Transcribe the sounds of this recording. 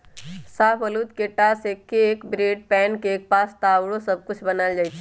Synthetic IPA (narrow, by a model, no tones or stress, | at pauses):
sapʰəlut̪keʈasekeːkbɾeɖ̚pɛnkeːk̚past̪awɽosəb̚ʱkut͡ʃʰbənald͡ʒajt͡ʃʰɛ